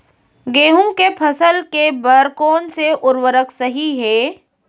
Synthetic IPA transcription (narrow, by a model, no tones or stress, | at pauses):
ɡeːɦʊ̃kepʰəsəlkebəɾkoːnseʔʊɾwəɾəksɐɦiɦɛː